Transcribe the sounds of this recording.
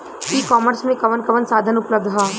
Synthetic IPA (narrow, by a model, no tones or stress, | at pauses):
ikɔːməɾsmẽkɐʋənkɐʋənsaːd̪ʱənʊpləb̚d̪ʱɦaː